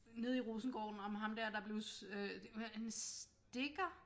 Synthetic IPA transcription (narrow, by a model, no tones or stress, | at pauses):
ne̝ð̰ˠiʁoːsn̩ɡ̥ɒ̰ːd̥n̩ɒ̽mɦɑ̈md̥æɐ̰d̥ɑ̈b̥le̝ʊsøhæns | d̥e̝ɡ̥ɐ